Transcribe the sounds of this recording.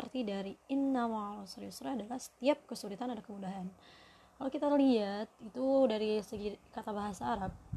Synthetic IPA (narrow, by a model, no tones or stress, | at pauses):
ərt̪idaɾiɪnːamalusaɾjusɾaadalahsə̥t̪iap̚kəsulit̪anadakəmudaɦan | kalokit̪aliat̪̚it̪udaɾisəɡikat̪abaɦasaːɾap̚